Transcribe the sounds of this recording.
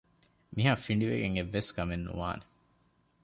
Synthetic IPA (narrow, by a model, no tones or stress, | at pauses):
miɦaːfiɳɖiʋeɡeŋeʋːeskɐmenːṵʋa̰ːne